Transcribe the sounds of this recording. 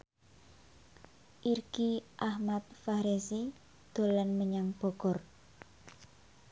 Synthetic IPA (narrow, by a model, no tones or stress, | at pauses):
ʔirɡ̥iʔahmat̪̚fahɾesi | d̪̥o̤lanməɲaŋb̥ɔ̤ɡ̥ɔ̤r